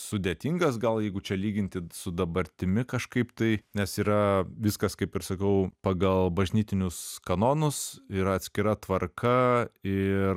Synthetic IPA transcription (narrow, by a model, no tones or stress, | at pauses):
sʊd̪ʲeːt̪ʲiːŋɡɐs̬ɡɐlˠjɛɪɡʊt͡ʃʲɛlʲiːɡʲɪnʲt̪ʲɪsʊd̪ɐbɐɾʲt̪ʲɪmʲɪkɐʃkɐɪpt̪ɐɪnʲɛsiːɾɐʋʲɪskɐskɐɪpɪɾsɐkɐʊpɐɡɐlˠbɐʒʲnʲiːt̪ʲɪnʲʊskɐnoːnʊsiːɾɐɐt̪ʲsʲkʲɪɾɐt̪ʋɐrkɐɪ